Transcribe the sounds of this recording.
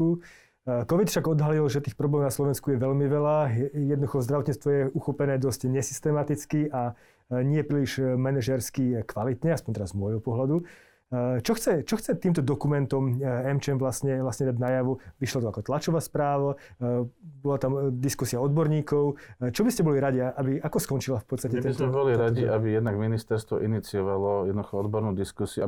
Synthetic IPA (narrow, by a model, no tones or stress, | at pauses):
u | kɔʋit̪fʃaɡɔd̪ɦalilʒɛt̪iːxpɾɔblɛːmɔnaslɔʋɛnskujɛʋɛʎmiʋɛlajɛd̪nd̪uxɔzd̪ɾaʋɔt̪ɲiːt͡st̪ʋɔjɛuxɔpɛnɛːd̪ɔscɲɛsi̥st̪ɛmat̪it͡skiʔa | ɲɪɛpɾiːliʒmɛnɛʒɛɾskikʋalit̪ɲɛaspɔɲt̪ɛɾazmɔjɦɔpɔɦlad̪u | t͡ʃɔxt͡sɛt͡ʃɔxt͡sɛt̪iːmt̪ɔd̪ɔkumɛnt̪ɔmɛmt͡ʃɛmʋlasɲɛʋlasɲɛd̪aɟnajaʋuʋiʃlɔt̪ɔakɔt̪lat͡ʃɔʋaspɾaːʋa | bɔlat̪amd̪iskusiaɔd̪bɔɾɲiːkɔʊt͡ʃɔbiscɛbɔliɾaɟiaʔabiakɔskɔnt͡ʃilafpɔt̪t͡sst̪acɛt̪ɛsmɛbɔliɾaɟiʔabijɛd̪naɡminist̪ɛɾst̪ʋɔʔinit͡siɔʋalɔjɛd̪nd̪uxɔɔd̪bɔɾnuːd̪iskusiu